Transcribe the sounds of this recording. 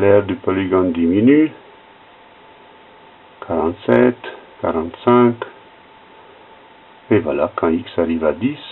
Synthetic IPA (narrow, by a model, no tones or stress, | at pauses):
lɛɾd̪ypoliɡɔ̃nd̪iminy | kʰaɾɑ̃nt̪sɛt̪kaɾɑ̃nt̪sɛ̃k | evwalakʰɑ̃iki̥saɾivad̪is